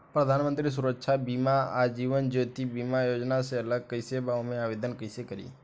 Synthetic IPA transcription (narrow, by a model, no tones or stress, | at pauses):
pɾəd̪ʱanmə̃nt̪ɾis̬uɾəkʃabimaad͡ʒiʋənd͡ʒot̪ibimajod͡ʒnaseələɡ̚kəjsebaomẽaʋed̪ənkəjsekəɾḭ